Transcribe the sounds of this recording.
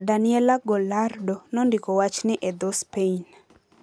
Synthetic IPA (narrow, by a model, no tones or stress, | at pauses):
danɪɛlaɡolardonɔndikowat͡ʃnɪʔed̪ospein